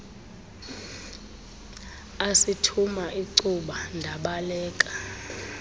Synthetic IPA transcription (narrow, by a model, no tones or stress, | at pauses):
asitʰumaʔiǀuɓandʱaɓalɛːkʼa